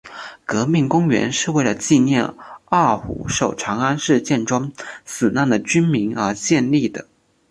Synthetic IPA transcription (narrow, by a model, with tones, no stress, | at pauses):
kɤ˧˥mi˥˩ŋkʊ˥ŋɥɛ̰˧˥nʂɻ̩˥˧we˥˩ɪlə˩t͡ɕi˥˧njɛ̰˥˧na˥˩xṵ˧˥ʂo˨˩ʊʈ͡ʂʰɑ˧˥ŋa˥nʂɻ̩˥˧t͡ɕjɛ˥˩nʈ͡ʂwɑ˥ŋsɹ̩˨˩na˥˩nd̪ə˩t͡ɕy˥nmi˧˥ŋə˞˧˥ɕjɛ˥˧nli˥˩d̪ə̰˩